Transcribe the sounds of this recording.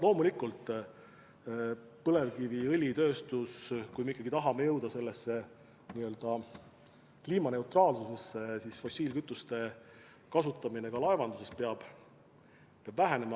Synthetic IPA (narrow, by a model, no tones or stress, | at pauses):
lo̞ːmulikult̪ˑ | pɤle̞vkiviɤlʲit̪ø̞ːst̪uskujmeikːˑɑɡ̥it̪ɑɦɑme̞jɤwd̪̥ɑse̞lːesːe̞ | niːø̞ld̪̥ɑ | kliːmɑne̞wt̪rɑːlsuse̞sːe̞sisfo̞sʲiːlkyt̪ːˑust̪e̞ | kɑsut̪ːˑɑmine̞ɡɑlɑevɑnd̪use̞speɑb̥ | peɑbvæɦene̞mɑ